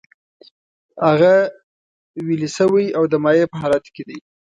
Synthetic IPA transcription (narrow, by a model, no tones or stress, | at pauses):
haɣa | wilisəwəjawd̪əmɑjepəɦɑlat̪ked̪ij